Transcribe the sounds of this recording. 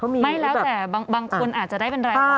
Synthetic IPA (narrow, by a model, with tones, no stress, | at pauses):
mi˧ma˧˥˩jlɛ˦wt̪ːɛː˨˩baː˧ŋbaː˧ŋkʰo˧nʔaː˨˩t̪̚t͡ɕa˨˩daː˥˩jpe˧nɾaː˧˥˩